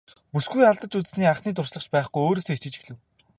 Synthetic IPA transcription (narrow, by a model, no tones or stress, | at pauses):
pusɡujaɮt̪ə̆t͡ɕut͡s̆sniːaχniːt̪ʊrʃɮə̆χt͡ɕpæːχɡujoːɾoːsoːit͡ɕɪ̆t͡ɕĭ̥xɮɘ̆w